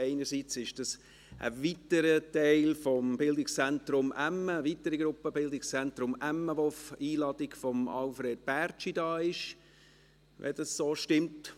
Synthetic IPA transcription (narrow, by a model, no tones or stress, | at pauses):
ɛɪnəɾsiːt͡sɪʃd̥ɑs | ʔə̰vitəɾətæɪlfɔmbɪldɪkst͡sɛntɾʊmæmːəːvitəɾiɡɾʊpːəbɪldɪkst͡sɛntɾʊmæmːəʋofiːlɑdɪɡfɔmɑ̰lfɾeːd̥̚b̥æɾt͡ʃidɑːɪʃ | ʋʔɛ̰dɑssoːʃtɪmt